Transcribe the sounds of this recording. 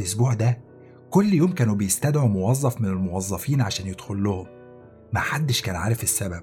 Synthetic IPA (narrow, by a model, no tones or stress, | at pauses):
ʔosbuːʕd̪æ | kolːjoːmkæːnubejest̪æd̪ʕumowɑzˤːɑfmenelmowɑzˤːɑfiːnʕaʃæːnjed̪̥xolːohom | maħad̪ːeʃkæːnʕa̰ːɾefesːæbæb̚